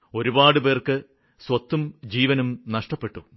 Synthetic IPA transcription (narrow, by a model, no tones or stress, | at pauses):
o̞ɾubaːɽɨpe̞ːrkɨ | swɐt̪ːumd͡ʑiːʋɐnumnɐʂʈɐpːe̞ʈːu